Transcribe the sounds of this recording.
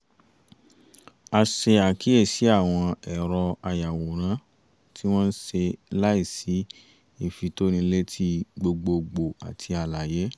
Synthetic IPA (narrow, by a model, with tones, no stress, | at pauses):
a˧ʃe˧a˨kʰi˨˦e˦˨si˨˦a˦˨w̃ɔ̃˧ɛ˨ɾɔ˧a˧ja˨wo˨ɾ̃ã˨˦ | tʰi˦w̃ɔ̃˦n̩˦ʃe˧la˦i˦˨si˨˦ | i˦˨fi˨to˦nĩ˧˦le˦tʰi˦ɡ͡bo˧ɡ͡bo˧ɡ͡bo˨a̰˨tʰi˧a˧la˨je˨˦